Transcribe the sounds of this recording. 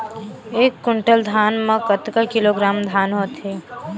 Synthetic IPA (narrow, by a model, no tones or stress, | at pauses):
eːkːʊɳʈəld̪ʱaːnmẽkət̪kəkiloɡɾaːmd̪ʱaːnɦoːt̪ɦeː